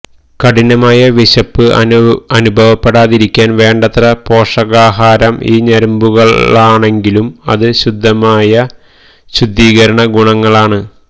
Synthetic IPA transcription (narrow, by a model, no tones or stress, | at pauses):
kɐɽinɐmaːjɐʋiɕɐpːɨɐnubʱɐʋɐpːeɽaːðiɾikʲːaːnʋe̞ːɳɖɐt̪rɐpo̞ːʂɐɣaːɦaːɾɐmʔḭːɲɐɾɐmbuɣɐaːɳe̞ŋɡilumɐ̰ðɨɕud̪ʱːɐmaːjɐ | ɕud̪ʱːiːɣɐɾɐɳɐɡuɳɐŋːɐɭaːɳɨ